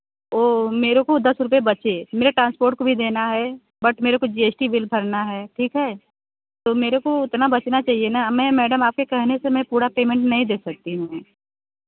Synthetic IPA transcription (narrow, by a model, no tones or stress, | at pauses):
oːmeːɾokod̪ɐsɾʊpebɐt͡ʃemeːɾeʈɾãːnspoːɾʈ̚kobʱid̪eːnaɦɛː | bɐʈmeːɾekod͡ʒiːeːsʈibɪlbʱɐɾnaɦɛːʈʰiːkɦɛː | t̪oːmeːɾekoɪt̪nabɐt͡ʃnat͡ʃaːɦienamɛ̃mɛːɖəmaːp̚kekɛɦnesemɛ̃puːɾapeːmɛ̃ɳʈnɐɦĩd̪eːsɐk̚t̪iɦũ